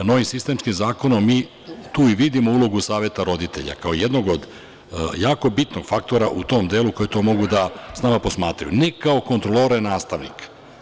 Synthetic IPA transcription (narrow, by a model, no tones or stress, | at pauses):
no̞ʋimsist̪e̞mskimzaːko̞nomːmiː | t̪uːiʋid̪imo̞ulo̞ɡusaːʋjet̪aɾo̞d̪it̪e̞ʎa̰kaoijed̪no̞ɡod̪ | jaːko̞bit̪noɡ̥fak̚t̪o̞ɾaʔut̪o̞md̪eːluko̞jet̪o̞ːmo̞ɡud̪asnamapo̞smaːt̪ɾa̰jṵnɛkao̞ko̞nt̪ɾolˠoɾanaːst̪aʋnḭk